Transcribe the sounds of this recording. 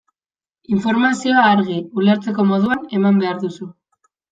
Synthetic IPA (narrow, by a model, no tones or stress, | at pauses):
iɱfo̞ɾmasio̞aːɾɣiule̞ɾt͡se̞ko̞mo̞ðuane̞mambe̞aɾðusu